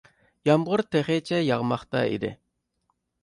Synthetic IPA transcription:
jɑmʁʊɾt̪ʰeχet͡ʃʰɛjɑʁmɑχt̪ɑ̰ḭd̪ɪ̰

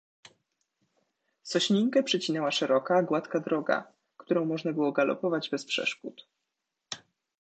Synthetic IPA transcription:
sɔɕɲiŋkɛpʂɛt͡ɕinɛwaʂɛɾɔkaɡwat̪kad̪ɾɔɡa̰ | kt̪uɾɔ̃w̃mɔʐnabɘwɔɡalɔ̰pɔvad͡ʑbɛspʂɛ̰ʂkut̪

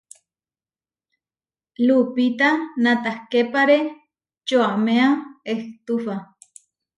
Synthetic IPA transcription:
lupit̪anat̪ahkepaɾe | t͡ʃoameaeht̪ufa

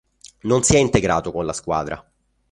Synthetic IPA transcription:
nonsiɛint̪eɡɾa̰ːt̪okonlaskwa̰ːd̪ɾa̰

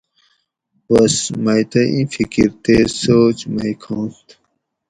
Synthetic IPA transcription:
wɐsmɐjt̪ɐʔḭ̃fikḭɾt̪esoːt͡ɕmɐjkʰõːnt̪

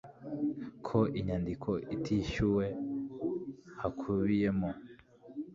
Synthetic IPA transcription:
kʰo̞ʔiɲandikʰo̞ʔitʰiʃuwe̞ | hakʰuβijemo

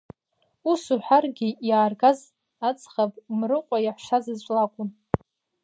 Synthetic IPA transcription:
usuħʷᶣarɡʲijaːrɡaz | at͡sʼχapʼmrɨqʷʼajaħʷʃazɨt͡ʃʷʼlakʷʼʊn

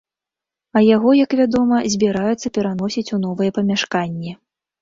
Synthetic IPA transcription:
ɐjaɣɔjɐkvʲad̪ɔmɐzʲbʲiɾajɛt̪sːɐpʲɛɾan̪ɔsʲit͡sʲunɔvɨjɛpɐmʲaʂkanʲːɛ

